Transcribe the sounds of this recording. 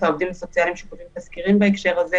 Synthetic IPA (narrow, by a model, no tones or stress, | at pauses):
taovd̪imleso̞t͡sialimʃekuvimtaskiʁimbaekʃe̞ʁaze